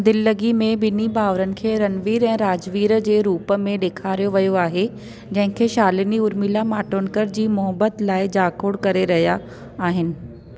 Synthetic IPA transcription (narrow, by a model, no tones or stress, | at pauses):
d̪ɪlːəɡimẽbɪnibaːʋɾənɪ̆kʰeːɾɐnʋiːɾɛ̃ːɾaːd͡ʑʋiːɾəd͡ʑeːɾuːpə̆mẽɗeːkʰaːɾijoʋɐjoaːɦe | d͡ʑɐ̃ɦɪ̃kʰeːʃaːlɪniʊɾmilamaːʈoːnkəɾd͡ʑiːmʊɦəbət̪laːɪd͡ʑaːkʰoːɽkɐɾeɾɐɦja | aːɦɪnɪ̆